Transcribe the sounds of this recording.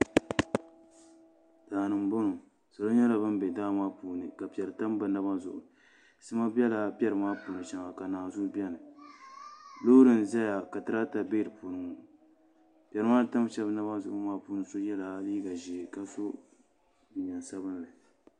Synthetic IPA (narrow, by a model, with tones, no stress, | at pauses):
daː˨nɨ˨m˦bo˦nu˨ | sa˨lo˦ɲɛ˦la˨bɨ˦m˦bɛ˨daː˦˨maː˦puː˨nɨ˨ka˨pɛ˨ɾɨ˨ta˦m˦bɨ˨na˦ba˦zʊ˨ʔʊ˨ | sɨ˦ma˦bɛ˦la˨pʲɛ˦ɾɨ˨maː˦puː˨nɨ˨ʃɛ˦ŋa˨ka˨naː˨zʊ˦bɛ˦nɨ˨ | lo˦ɾɨ˨n˨za˦ja˨ka˨tɨ˨ɾa˦ta˨be˦ɾɨ˨pu˨nɨ˨ŋ˨ | pʲɛ˨ɾɨ˦maː˦˨ta˦m˦ʃɛ˦bna˦ba˦zʊ˨ʔʊ˦maː˦puː˦nɨ˨so˦jɛ˦la˨˦liː˦ɡa˨ʒi˨ka˦so˦ | bɨ˨ɲa˨nsa˦bɨ˦n˦lɨ˨